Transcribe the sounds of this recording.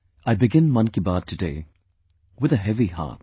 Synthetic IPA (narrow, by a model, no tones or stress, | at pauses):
aɪbɪɡɪ̃nmʌ̃nkibaːd̚tʰɨdeɪ | wɨðəɦɛviɦa̰ːt̚